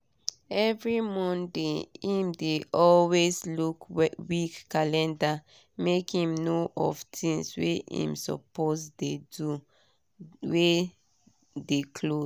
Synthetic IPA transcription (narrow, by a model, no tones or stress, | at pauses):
ɛvɹimɔ̃ndeĩmdeʔɔlweslukwikːalɛ̃nda | mekhĩmnoʔɔvtʰĩŋswḛʔḭ̃msɔ̰posdedu | we | dekʰlo